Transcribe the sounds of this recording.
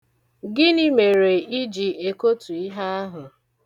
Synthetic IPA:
ɡɪ˦ni˦me˨ɾe˨i˦d͡ʒi˨e˨ko˦tu˨i˦ɦa˦a˦ɦʊ˨

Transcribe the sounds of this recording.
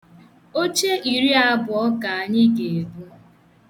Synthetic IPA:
o˦t͡ʃe˦i˨ɾi˦a˦bʊ˨ɔ˦ka˨ɲɪ˦ɡe˨ɡu˦

